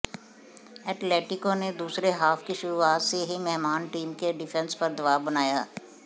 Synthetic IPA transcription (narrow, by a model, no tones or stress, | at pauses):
ɛːʈleːʈɪkõned̪uːsɾeɦaːfkiʃʊɾuaːt̪seɦimɛɦmaːnʈiːmkeɖɪfʰɛ̃nspɐɾd̪ɐʋaːʋbɐnaːjaː